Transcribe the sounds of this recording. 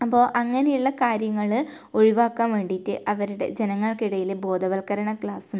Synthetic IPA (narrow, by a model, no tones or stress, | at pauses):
ɐpːo̞ːʔɐŋːɐne̞juɭːɐkaːɾjɐŋːɐɭɨ | o̞ɻiʋaːkːaːnʋe̞ːɳɖitːɨʔɐʋɐɾuɽe̞̰d͡ʑenɐŋːɐɭkiɽɐjilebo̞ːd̪ʱɐʋɐlkɐɾɐɳɐkɭaːsum